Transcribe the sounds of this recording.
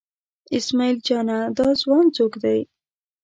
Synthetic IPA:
ɪsmɑild͡ʒɑnad̪ɑzwɑnzokd̪aj

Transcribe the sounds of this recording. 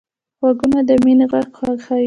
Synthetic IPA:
ɣwaɡunad̪əmineɣaɡxɑxa

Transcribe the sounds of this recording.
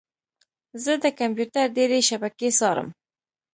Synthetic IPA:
zəd̪əkampjuʈaɾɖeɾeʃabakesɑɾə̰m

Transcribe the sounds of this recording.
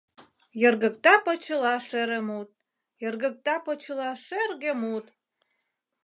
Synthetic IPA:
jə̆rɣə̆k̚t̪ɑpɤt͡ɕə̆lɑʃeɾəmut̪̚ | jə̆rɣə̆k̚t̪ɑpɤ̆t͡ɕəlɑʃerɣə̆mut̪

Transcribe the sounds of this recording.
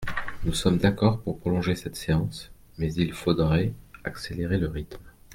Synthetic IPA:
nusɔmd̪akɔʁpuʁpχɔlɔ̃ʒesɛt̪seɑ̃s | mɛzilfod̪ʁɛakseleʁeləʁit̪m

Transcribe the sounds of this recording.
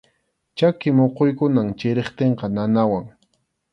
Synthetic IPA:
t͡ʃakɪmoqojkʊnaŋt͡ʃɪɾeχt̪eɴqɑnanawaŋ

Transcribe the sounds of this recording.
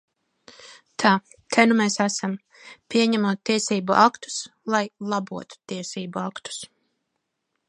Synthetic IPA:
t̪ʰaː | t̪ʰɛnumɛsæsam | pʲiɛɲæmuɔt̪̚ːiɛsiːbuʔakt̪u̥slˠajlˠabuɔt̪u̥t̪iɛsiːbuakt̪u̥s

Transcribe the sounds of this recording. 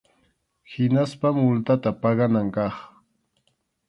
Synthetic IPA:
hɪnaspamʊlt̪at̪apɑɢɑnaŋkɑχ

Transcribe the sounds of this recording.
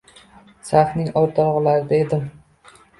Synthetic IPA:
saχnɪŋɒɾt̪ʰɒʁɨlaɾɪd̪aed̪ɪm

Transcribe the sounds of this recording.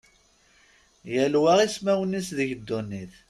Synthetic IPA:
jəlwæʁismæwənːisðəʝəd̪ːunːiθ

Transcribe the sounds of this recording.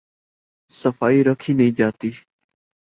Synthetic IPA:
səfaːiːɾəkʰiːnəĩːd͡ʒaːt̪iː

